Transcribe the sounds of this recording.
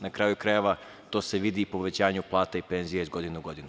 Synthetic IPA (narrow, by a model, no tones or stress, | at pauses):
nakɾaːjukɾajeʋa | t̪o̞ːse̞ʋid̪ipo̞ʋe̞t͡ɕaːɲuplˠaːt̪aipe̞nzijaizɡo̞d̪inuɡo̞d̪inu